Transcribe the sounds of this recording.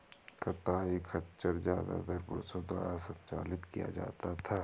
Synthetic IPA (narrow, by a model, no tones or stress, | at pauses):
kɐt̪aːikʰɐtt͡ʃəɾzjaːd̪a̰d̪əɾpʊɾsod̪wa̰ːɾasɐnt͡ʃaːlɪt̪kija̰d͡ʒa̰ːt̪at̪ʰaː